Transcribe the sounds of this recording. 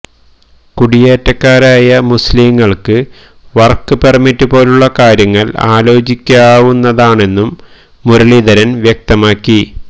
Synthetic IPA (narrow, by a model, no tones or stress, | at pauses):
kuɽijeːtːɐkːaːɾaːjɐmusliːŋːɐɭkɨ | ʋɐrkːɨpermitːupo̞ːluɭːɐkaːɾjɐŋːɐla̰ːlo̞ːt͡ɕikʲːaːʋunːɐðaːɳe̞nːumː | uɾɐɭiðɐɾɐnʋjɐk̚t̪ɐmaːkːi